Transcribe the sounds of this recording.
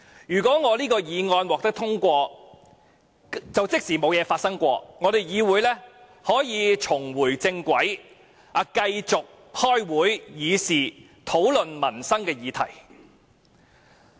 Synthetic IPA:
jyː˨˩kʷɔː˨˥ŋɔː˨˧liː˥kɔː˧jiː˨˧ŋɔː˧nwɔː˨k̚t̪ɐ˥kt̪ʰʊ˥ŋkʷɔː˧ | t͡sɐ˨wt͡sɪ˥k̚siː˨˩mo˨˧wjɛː˨˧faː˧t̚sɐ˥ŋkʷɔ̰ː˧ŋɔː˨˧ɾe˨jjiː˨˧wuː˨˧jlɛː˥ | hɔː˨˥jiː˨˧t͡ʃʰʊ˨˩ŋwuː˨˩jt͡sɪ˧ŋkʷɐ˨˥j | ɐ˨˧kɐ˧jt͡sʊ˨k̚ | hɔː˥jwuː˨˥jːiː˨˧siː˨ | t̪ʰo˨˥wlɵ˨nmɐ˨˩nsɐ˥ŋkɛː˧jiː˨˧t̪ʰɐ̰˨˩j

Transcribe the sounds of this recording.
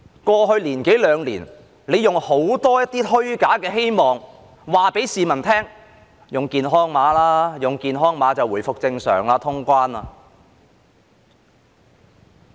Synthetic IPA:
kʷɔː˧ɦɵ˧ɥliː˨˩nke˨˥jlœː˨˧ŋliː˨˩n | le˨˧jʊ˨ŋho˨˥wt̪ɔː˥jɐ˥t̪̚iː˥t̪ʰɵ˥ɥkaː˨˥kɛː˧ɦe˥jmɔː˨ŋ | waː˨pe˨˥jsiː˨mɐ˨˩nt̪ʰɛː˥ŋ | jʊ˨ŋkiː˨nɦɔː˥ŋmaː˨˥laː˥jʊ˨˩ŋkiː˨nɦɔː˥ŋmaː˨˧t͡sɐ˨wuː˨˩jfʊ˨k̚t͡sɪ˧ŋsœ̰ː˨˩ŋlaː˧t̪ʰʊ˥ŋkʷaː˥naː˧

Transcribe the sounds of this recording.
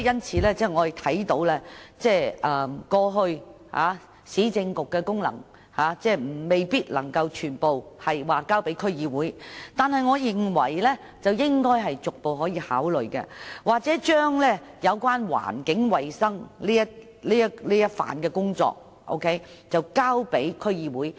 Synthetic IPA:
jɐ˥nt͡sʰiː˨˧lɛː˥t͡sɛː˥˩ŋɔː˨˧jt̪ʰɐ˨˥jt̪o˧˥wlɛː˥t͡sɛː˥˩ʔɐː˨˧mkɔː˧ɦɵ˧ɥ | ha̰ː˨˧˥ | siː˨˥t͡sɪ˧ŋkʊ˨kːɛː˧kʊ˥ŋlɐ̰˨˩ŋ | haː˨˥t͡sɛː˥˩m̩˨˩me˨jpiː˥t̚lɐ˨˩ŋkɐ˧wt͡ʃʰyː˨˩npo˨whɐ˨jwaː˨˩kaː˥wpe˨˥jkʰɵ˥ɥjiː˨˧wuː˨˥jt̪aː˨nhɐ˨jŋɔː˨˧jɪ˨˩ŋwɐ˨˩jlɛː˥ | t͡sɐ˨wjɪ˥ŋkɔː˥jɦɐ˨jt͡sʊ˨k̚po˨wɦɔː˨˥jiː˧haː˨˥wlɵ˨ɥkɛ̰ː˧waː˨k̚t͡sɛː˨˥t͡ʃœː˥ŋlɛː˥jɐ˨˧wkwaː˥nwa̰ː˨˩nkɪ˨˥ŋwɐ˨jsɐ˥ŋliː˥jɐ˥t̚ | liː˥jɐ˥tliː˥jɐ˥t̚fa̰ː˨nkɛː˧kʊ˥ŋt͡sɔ̰ː˧k̚ | ʔo̰˥wkʰe˨˥j | t͡sɐ˨wkaː˥wpe˨˥jkʰɵ˥ɥjiː˧wuː˨˥j

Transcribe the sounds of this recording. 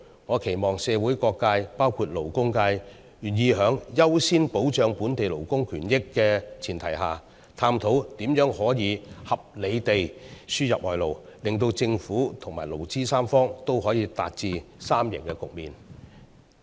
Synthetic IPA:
ŋɔː˨˧kʰe˨˩jmɔː˨ŋsɛː˨˧wuː˨˥jkɔː˧kːaː˧jpaː˥wkʰuː˧t̚lo˨˩wkʊ˥ŋkaː˧j | jyː˨˩njiː˨˧ɦœː˨˥ŋjɐ˥wsiː˥npo˨˥wt͡ʃœː˨˧ŋpuː˨˥nt̪e˨jlo˨˩wkʊ˥ŋkʰyː˨˩njɪ˥kːɛː˧t͡sʰiː˨˩nt̪ʰɐ˨˩jɦaː˨˩ | t̪ʰaː˧˥mt̪ʰo˨˥wt̪iː˨˥mjœː˨˥ŋhɔː˨˥jiː˨˧hɐ˨p̚le˨˧jt̪e˨jsyː˥jɐ˨p̚ɔː˨˩jlo˨˩wlɪ˨˩ŋt̪o˧wt͡sɪ˧ŋfuː˨˥t̪ʰʊ˨˩ŋmaː˨˩jlo˨˩wt͡siː˥saː˥mfɔː˥ŋt̪o˥whɔː˨˥jiː˨˧t̪a̰ː˧t̚t͡siː˨˧saː˥mjɪ̰˨˩ŋkɛ˧kʊ˨k̚miː˨˩n

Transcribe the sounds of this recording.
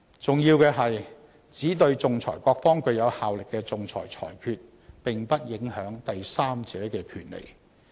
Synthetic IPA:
t͡sʊ˨ŋjiː˧wkɛː˧ɦɐ˨j | t͡siː˨˥t̪̬ɵ˧ɥt͡sʊ˨ŋt͡sʰɔ̰ː˨˩jkʷɔː˧k̚fɔː˥ŋkɵ˧ɥjɐ˨˧whaː˨wlɪ˨kːɛː˧t͡sʊ˨ŋt͡sʰɔ̰ː˨˩jt͡sʰɔ̰ː˨˩jkʰyː˧t̚ | pɪ˨ŋpɐ˥t̚jɪ˨˥ŋhœː˨˥ŋt̪ɐ˨jsaː˥mt͡sɛː˨˥kɛː˧kʰyː˨˩nlḛ˨˩j

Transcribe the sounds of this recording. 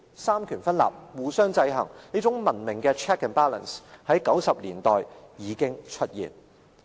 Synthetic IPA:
saː˥mkʰyː˨˩nfɐ˥nla̰ː˨˩p̚wuː˨sœː˥ŋt͡sɐ˧jɦɐ˨˩ŋniː˥t͡sʊ˨˥ŋmɐ˨˩nmɪ˨˩ŋkɛː˧t͡ʃʰɛː˥kɛ˨npaː˥lɐ̰˨˩nshɐ˨˥jkɐ˨˥wsɐ˨p̚liː˨˩nt̪ɔː˨jjiː˨˧kɪ˥ŋt͡ʃʰɵ˥t̚jḭː˨˩n

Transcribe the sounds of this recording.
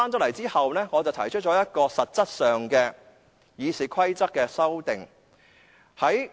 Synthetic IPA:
aː˥nt͡ʃɔ˥lɐ˨˩jt͡siː˥hɐ˨wnɛː˥ŋɔː˨˧t͡sɐ˨wt̪ʰɐ˨˩jt͡ʃʰɵ˥t͡ʃɔː˨˥jɐ˥t̚kɔː˧sɐ˨t̚t͡sɐ˥t̚sœː˨ŋkɛː˧ | jiː˨˧siː˨kʷʰwɐ˥jt͡sɐ˥k̚kːɛː˧sɐ˥wt̪ɪ˨ŋ | hɐ˨˥j

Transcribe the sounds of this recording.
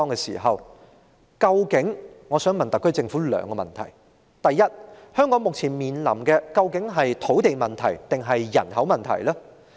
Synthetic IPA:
ɔː˧ŋɛ˧sḭ˨˩ɦɐ˨w | kɐ˧wkɪ˨˥ŋŋɔː˨˧sœː˨˥ŋmɐ˨nt̪ɐ˨kʰːɵ˥ɥt͡sɪ˧ŋfuː˨˥lœ̰ː˨˧˥ŋkɔː˧mɐ̰˨nt̪ʰɐ̰˨˩j | t̪ɐ˨jːɐ˥t̚hœː˥ŋkɔː˨˥ŋmʊ˨k̚t͡sʰiː˨˩nmiː˨nlɐ̰˨˩mkɛː˧kɐ˧wkɪ˨˥ŋɦɐ˨jt̪ʰo˨˥wt̪e˨jmɐ˨nt̪ʰɐ˨˩jt̪ɪ˨ŋɦɐ˨jːɐ̰˨˩nɦɐ˨˥wmɐ˨nt̪ʰɐ̰˨˩jlɐː˥

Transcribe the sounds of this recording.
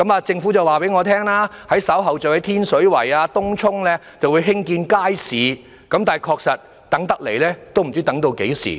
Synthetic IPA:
kɐ˨˥maː˧t͡sɪ˧ŋfuː˨˥t͡sɐ˨waː˨pe˨˥jŋɔː˨˧t̪ʰɛː˥ŋlaː˥hɐ˨˥jsɐ˨˥wɦɐ˨wt͡sɐ˨whɐ˨˥jt̪ʰiː˥nsɵ˨˥ɥwɐ̰˨˩jaː˧t̪ʊ˥ŋt͡sʰʊ˥ŋlɛː˥ | t͡sɐ˨wu˨˧jɦɪ˥ŋkiː˧nkaː˥jsiː˨˧ | kɐ˨˧˥mt̪aː˨˩jkʰɔː˧k̚sɐ˨t̚ | t̪ɐ˨˥ŋt̪ɐ˥k̚le˨˩jlɛː˥t̪o˥wm̩˨˩t͡siː˥t̪ɐ˨˥ŋt̪o˧wke˨˥jsḭː˨˩

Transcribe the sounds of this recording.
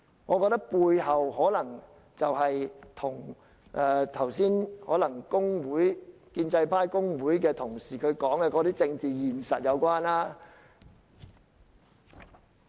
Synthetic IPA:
ŋɔː˨˧kɔː˧t̪ɐ˥k̚puː˧jhɐ˨wɦɔː˨˥lɐ˨˩ŋ | t͡sɐ˨wɦɐ˨jt̪ʰʊ˨˩ŋ | ʔɛː˧t̪ʰɐ˨˩wsiː˥nhɔː˨˥lɐ˨˩ŋkʊ˥ŋwuː˨˥j | kiː˧nt͡sɐ˧jpʰaː˥jkʊ˥ŋwuː˨˥jkɛː˧t̪ʰʊ˨˩ŋsiː˨˩kʰɵ˨˧ɥkɔː˨˥ŋɛ˧kɔː˨˧ɾiː˥t͡sɪ˧ŋt͡siː˨jiː˨˩nsɐ˨t̚jɐ˨˧wkʷwaː˥naː˥

